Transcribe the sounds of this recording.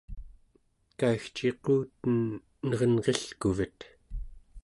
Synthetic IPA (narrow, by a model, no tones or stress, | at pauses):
kaixt͡ʃequːt̪ən | nʌʁənʁeɬkuvət̪